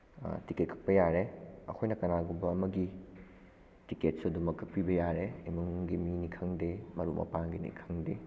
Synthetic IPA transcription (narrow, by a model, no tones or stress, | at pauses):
tiket̚kʰɐ̥k̚pɐjaɾeɐ̰kʰojnɐkɐnaɡumbɐːmɐɡi | tiket̚suɐdumɐkʰːɐk̚pibɐjaɾeimuŋɡiminikʰɐŋdemɐɾumʔɐ̰paŋɡinḭkʰɐŋde